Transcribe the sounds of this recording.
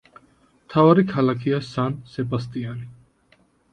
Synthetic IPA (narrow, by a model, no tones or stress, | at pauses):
mt̪ʰavaɾikʰalakʰiasansɛbast̪ʼiani